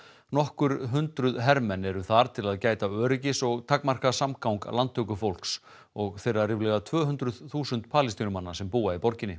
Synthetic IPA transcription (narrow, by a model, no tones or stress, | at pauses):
nɔhkʏɾ̥ɦʏnt̪ɾʏðɦɛɾmɛnɛɾʏθaɾ̥t̪ʰɪlaðcaːjt̪aœːɾɪcɪsɔɣt̪ʰakmar̥kaðsamkawŋka̰lant̪ʰʏkʏfowl̥ks | ɔɣθejrarɪvlɛɣat̪ʰvœːɦʏnt̪ɾʏðθuːsʏnt̪̚pʰaːlist̪iːnʏmanːḁsɛmpuːaipɔɾcɪnːɪ